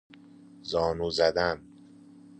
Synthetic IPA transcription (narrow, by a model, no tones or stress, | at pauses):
zɒːnuːzæd̪æn